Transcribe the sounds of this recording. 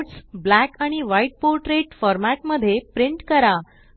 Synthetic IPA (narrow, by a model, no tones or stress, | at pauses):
ʈsblækaɽ̃iʋaiʈ̚poɾʈɾeʈfɔɾmaʈməd̪ʱːjepɾiɳʈkəɾa